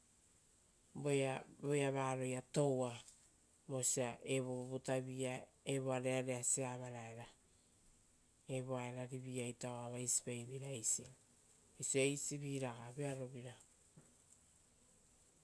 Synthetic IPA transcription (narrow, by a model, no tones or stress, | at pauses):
bojabojaβaːɾo̞jato̞wa | mosiaʔeβoβobutaβia | eβoaɾeaɾeaseaβaɾaeɾa | eβoaeɾaɾiβiajtaoaβajsi̥pajβiɾaejsi | siejsiβiɾaɡabeaɾo̞βiɾa